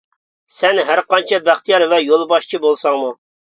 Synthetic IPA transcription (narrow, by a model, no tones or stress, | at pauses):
sɛnɦæɾqɑnt͡ʃʰɛbæχt̪ijɑɾvɛjolˠbɑʃt͡ʃʰibolˠsɑŋmu